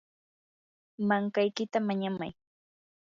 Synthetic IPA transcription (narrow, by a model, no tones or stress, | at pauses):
maŋkajkɪt̪amaɲama̰j